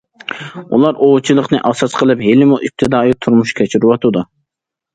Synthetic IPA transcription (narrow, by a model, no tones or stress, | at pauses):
ṵlˠɑɾʔot͡ʃʰilˠəqnɨ̰ʔɑsɑsqʰəlˠɨpɦelɪmuʔip̚t̪ʰɨd̪ɑːjit̪ʰuɾmuʃkʲʰɛt͡ʃʰiɾɪwɑt̪ʰɨd̪u